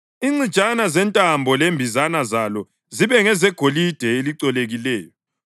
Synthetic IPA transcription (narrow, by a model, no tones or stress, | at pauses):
iŋ͡ǀi̥t͡ʃʼanazɛntʼambʱɔlembʱizanazalɔ | ziβɛŋɛzɛɡ̥ʱolid̥ʱɛeliǀɔleɣilɛːjɔ